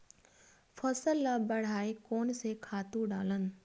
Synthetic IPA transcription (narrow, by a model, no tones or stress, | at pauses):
fʰɐsəlːabɐɽ̤aːekɔːnsekʰaːt̪ũɖaːlən